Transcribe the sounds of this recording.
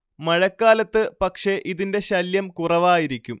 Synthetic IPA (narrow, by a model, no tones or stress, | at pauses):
mɐɻɐkːaːlɐt̪ːɨpɐkʂe̞ʔiðinde̞ɕɐljɐmkurɐʋaːjiɾikʲːum